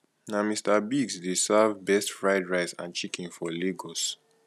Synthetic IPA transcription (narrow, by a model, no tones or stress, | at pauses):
namistabiɡsdesavbɛstfɹaɪdɹaɪzã̰nt͡ʃikĩnfɔleɡɔs